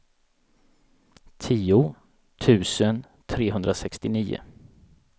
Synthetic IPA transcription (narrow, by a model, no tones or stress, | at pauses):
t̪ʰiːʊ | t̪ʰʉ̟ːsən | t̪ʰɾeːɦɵnd̪ɾasɛkst̪ɪniːʊ̰